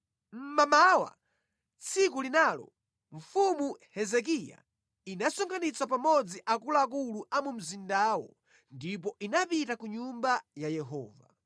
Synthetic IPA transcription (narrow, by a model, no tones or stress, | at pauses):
m̩mamawa̰ | t͡sʰik̬ulinaːlɔ̰ | ɱ̩fumuhɛzɛk̬ija̰ | inasɔŋɡanit͡sapamɔd͡ziʔakulaak̬uluʔamum̩zindaːwɔ̰ | ndip̬ɔʔinapitakuɲumbajajɛɦɔ̰ːva̰